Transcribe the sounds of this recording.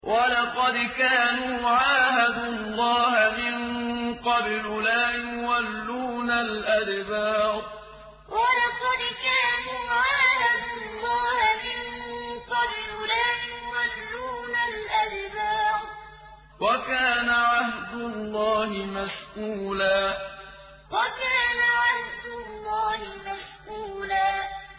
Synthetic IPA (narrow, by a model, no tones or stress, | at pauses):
wʔalɑqɑd̪kaːnuːʕaːhad̪ʊlˤːɑːhamɪnqɑbllaːjʊwalːuːnalʔadbaːɾ̚ | walɑqɑd̪kaːnuːʕaːhad̪ʊlˤːɑːhamɪnqɑdɾʊlaːjʊwalːuːnalʔabbaːd | wakaːnaʕahd̪ʊlːɑːhɪmasʔuːlaː | wakaːnaʕahd̪ʊlːaːhɪmasʔuːlaː